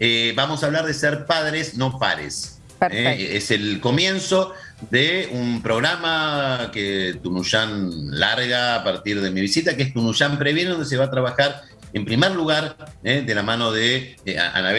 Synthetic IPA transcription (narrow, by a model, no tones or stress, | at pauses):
ebamo̞saːβlaɾðeseɾpaðɾesno̞pa̰ɾḛs | eeselko̞mje̞nso̞ | ðeumpɾo̞ɣɾamaket̪unuʃanlaɾɣaːpaɾt̪iɾðemiβisit̪akeest̪unuʃampɾeβjeneðo̞nd̪es̬eβat̪ɾaβaxaɾ | empɾimeɾluɣaɾeðelamãno̞ðea̰a̰naβ